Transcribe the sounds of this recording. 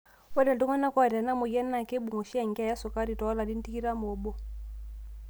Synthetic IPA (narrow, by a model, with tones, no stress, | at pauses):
wɔ˦da˨du˦ŋa˦na˦kwa˨ɾa˨na˦mɔ˨ja˦nːa˨ke˦bu˨ŋɔ˨ʃi˦a˨ŋɡi˦a˨ja˦sɔ˨ka˦ɾi˨tɔ˨˦a˦la˨di˦n̩˦ti˦ki˦ɾa˦mɔ˨bɔ˦˨